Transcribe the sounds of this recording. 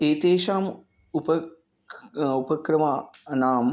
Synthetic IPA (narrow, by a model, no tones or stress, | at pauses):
eːt̪eːʃaːm | upɐ | upɐkɾɐmaːnaːm